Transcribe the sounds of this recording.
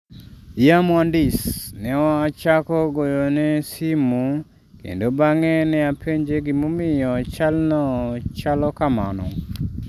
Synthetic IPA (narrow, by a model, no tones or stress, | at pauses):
jamwɔndisnɛɔat͡ʃakɔɡojonɛsimu | kḛndobaŋɛnɛapʰeɲd͡ʒeɡimomɪjɔt͡ʃalnɔt͡ʃalɔkama̰nɔ̰